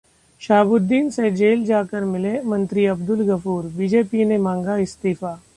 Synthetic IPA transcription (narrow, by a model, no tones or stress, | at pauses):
ʃaːbʊd̪ːiːnsed͡ʒeːld͡ʒaːkəɾmɪlemɐ̃nt̪ɾiɐbd̪ʊlɡɐfuːɾbiːd͡ʒeːpinemãːŋɡaɪst̪iːfaː